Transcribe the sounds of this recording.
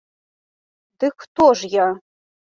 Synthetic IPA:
d̪ɨxt̪ʰoʐja

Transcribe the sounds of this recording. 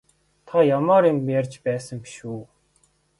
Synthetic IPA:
t̪ʰajamaːɾimjarʲt͡ɕpæːsə̆ŋpi̥ʃuː

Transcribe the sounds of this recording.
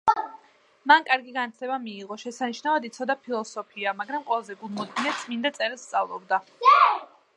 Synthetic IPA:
mankʼaɾɡiɡanat̪ʰlɛbamiːʁɔʃɛsaniʃnavad̪it̪sʰɔd̪apʰilˠɔsɔpʰiamaɡɾamqʼɔlˠazɛɡulˠmɔd̪ɡinɛt̪t̪sʼmind̪at̪sʼɛɾɛlˠst̪sʼavlˠɔ̰bd̪a

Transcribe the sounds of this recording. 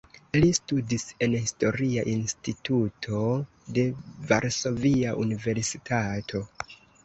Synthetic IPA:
listudise̞nhisto̞ɾiaʔinstitutʰo̞ | de̞vaɾso̞viaʔunive̞ɾsitʰatʰo̞

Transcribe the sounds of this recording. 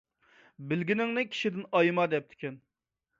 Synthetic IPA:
bɪlɡʲinɪŋnɪkʲʰi̥ʃid̪ɪnɑjmɑd̪ɛp̚t̪ʰɪ̥kʲʰɛn

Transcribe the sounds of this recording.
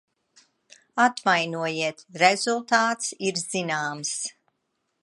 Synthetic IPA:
at̪vajnuɔjiɛt̪ɾɛzulˠt̪aːt̪siɾz̥inaːms

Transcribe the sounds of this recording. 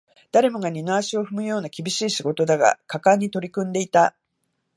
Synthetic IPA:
d̪̥aɾe̞mo̞ɡaɲ̟inoaɕio̞ɸɯ̟mɯ̟jo̞ːnakʲibʲiɕiːɕiɡo̞t̪o̞d̪aɡa̰kakãɲ̟ːit̪o̞ɾʲikɯ̟̃nd̪e̞it̪a

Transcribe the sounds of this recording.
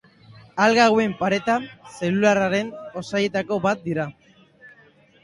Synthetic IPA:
alɣaɣwe̞mpaɾe̞t̪anse̞lularaɾe̞no̞saje̞t̪ako̞βat̪̚d̪iɾa

